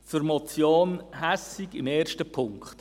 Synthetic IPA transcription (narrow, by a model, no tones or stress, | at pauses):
fyɾmɔt͡sjoːnhæsiɡɪmɛːrʃtəpʰʊŋkχt